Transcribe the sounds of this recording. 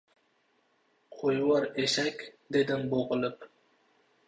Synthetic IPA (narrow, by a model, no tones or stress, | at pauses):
qʰojwɑɾeʃakʲd̪ed̪ɪmboʁɨlˠɪp